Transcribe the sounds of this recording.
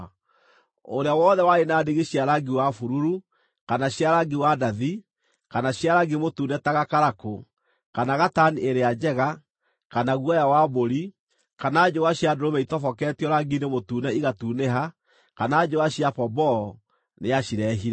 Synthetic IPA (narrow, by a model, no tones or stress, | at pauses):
o̰ɾeawɔːðɛwaenaːdeɣeɕiaɾaɡiwafuɾuɾu | kanaɕjaɾaɡiwadaði | kanaɕiaɾaɡimotuːnɛtaɣakaɾako | kanaɣatanieɾead͡ʒɛɣa | kanaɣwajawaboɾi | kanaːd͡ʒowaɕjadoɾomɛitɔfɔkɛtiɔɾaɡinemotuːnɛiɣatuːneɦa | kanaːd͡ʒowaɕiapɔbɔ | neaɕiɾɛɦiɾɛ